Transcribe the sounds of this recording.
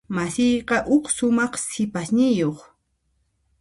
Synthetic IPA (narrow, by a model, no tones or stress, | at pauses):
masɪjqɑʔʊksʊmɑχsɪpasnɪjoχ